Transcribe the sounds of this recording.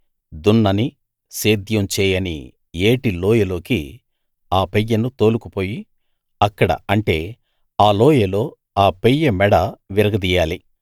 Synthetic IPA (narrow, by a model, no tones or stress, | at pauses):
d̪unːɐni | seːd̪jɐmt͡ʃɛːjɐnḭ | eːʈiloːjɐlo̞ːki | aːpejːɐnut̪o̞ːlukupo̞ːji | ɐkːɐɽɐ̰ɐɳʈe̞ː | aːloːjɐlo̞ː | aːpejːɐmɛɽɐʋiɾɐɡɐd̪iːjaːli